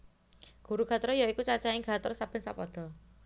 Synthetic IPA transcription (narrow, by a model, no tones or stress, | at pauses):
ɡ̥ṳɾuɡ̥ʱa̤t̪ɔɾjɔikut͡ʃat͡ʃaiɡʱa̤t̪ɔɾsapɪnsapɔd̪̥ɔ̤